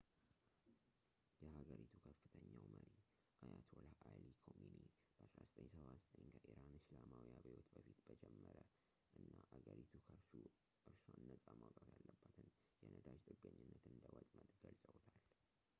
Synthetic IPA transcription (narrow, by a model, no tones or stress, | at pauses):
jɛhaɡəɾit̪ʰukʰəfːɨt̪ʰəɲːawməɾi | kʰəjat̪ʰwɔlʔajlikʰomjuni | b̥əʔasɾazət̪ʼʰəɲsəβazt̪ʼəɲkʰəʔiɾanɨslamawiaβejwot̪bəfit̪bəd͡ʒɛmːəɾə | ʔɨnːaʔaɡəɾit̪ʰukʰəɾʃu | ʔɨɾsanːəsʼamakʼat̪jalːəbːat̪ʰɨn | jɛnʔəd̪ad͡ʒt̪ʼɨɡːəɲːɨnːət̪ɨnd̪əwɔt̪ʼməd̪ɡəlsʼəwt̪ʰal